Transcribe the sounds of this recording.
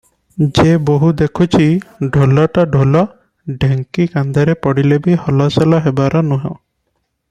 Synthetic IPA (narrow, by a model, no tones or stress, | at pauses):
d͡ʒeboɦud̪ekʰut͡ʃʰiɖʱolɔʈaɖʱolɔ | ɖeŋkikand̪aɾepɔɽilebihɔlaselaɦebaɾanuɦã̰